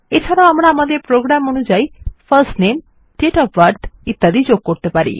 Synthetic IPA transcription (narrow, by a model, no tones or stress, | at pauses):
et͡ɕʰaɾaoamɾaamad̪eɾpɾoɡɾamonud͡ʑaipʰəɾsʈnem | ʈeʈɔpʰʋaɾɖit̪ːad̪ʱid͡ʑoɡ̚koɾt̪epaɾḭ